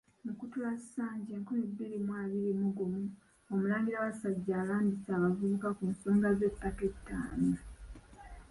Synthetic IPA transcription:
mukutulazsaːɲɟeːŋkolebːiɾimwaːβiɾimuɡomu | omulaːŋɡiɾaβasaɟːaːlaːndisaːβavuβukakunsoːŋɡazetatetːaːna

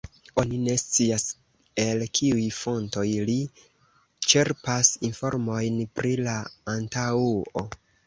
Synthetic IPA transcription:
o̞nine̞st͡sias | e̞lkʰiujfo̞nto̞jli | t͡ʃe̞ɾpasinfo̞̰ɾmo̞jnpɾilaːntauo

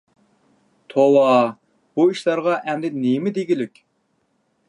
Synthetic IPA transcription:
t̪ʰowɑ | b̥uiʃlˠɑɾʁɑʔɛmd̪ɪnemɪd̪eɡʲilykʲ

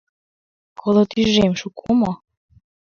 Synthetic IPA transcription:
kʰolot̪yʒemʃukʰomo

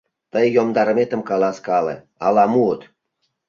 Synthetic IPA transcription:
t̪əjːomd̪ɑɾmet̪ə̆mkɑlɑskɑlḛ | ɑlɑmuət̪

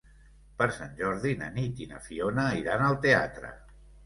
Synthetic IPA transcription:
pəɾsanʲʒɔɾðinə̰nit̪inə̰fionəiɾanəlˠt̪ea̰t̪ɾə̰

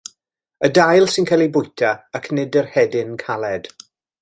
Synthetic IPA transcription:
ədajlˠsɪnkʰɛlˠibʊjtʰaːkʰnɪdərhɛdɪnkʰalˠɛd̥

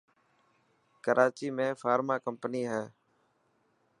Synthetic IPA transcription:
kəɾʔaːt͡ʃiːmẽːfaːɾmaːkəmpniːɦɛː

